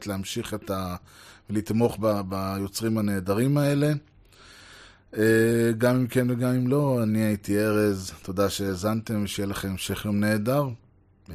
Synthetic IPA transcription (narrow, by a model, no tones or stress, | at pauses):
t̪leamʃiχet̪avelit̪mo̞χbabajo̞t͡sʁimhane̞ːd̪aʁimae̞le̞ | eɡamimkenveɡamimlo̞aniait̪ie̞ʁe̞zt̪odaʃe̞ːzant̪e̞mveʃejelaχemmʃe̞χjomne̞ːdaʁ